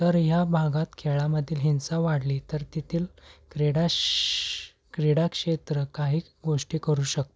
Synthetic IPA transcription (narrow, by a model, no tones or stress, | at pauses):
t̪əɾɦjabʱaɡat̪kʰeɭaməd̪ʱːiːlɦint͡saʋaɽliːt̪əɾt̪it̪ʰiːlkeɽa | kɾeɽakʂet̪ɾəkaɦiː | ɡoʂʈiːkəɾuːɕək̚t̪o